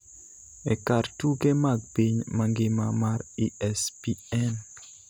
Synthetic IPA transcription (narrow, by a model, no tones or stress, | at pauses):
ɛkartuɡemaɡ̚piɲmaŋɡɪmamaɾiɛspiɛn